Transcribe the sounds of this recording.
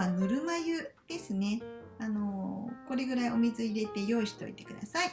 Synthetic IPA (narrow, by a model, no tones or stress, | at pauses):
anɯɾɯ̟majɯd̪̥e̞sɨne̞ | ano̞ko̞ɾe̞ɡɯ̟ɾaio̞mʲizɨiɾe̞t̪e̞jo̞ːiɕi̥t̪o̞̰ḭt̪e̞̥kɯ̟d̪asai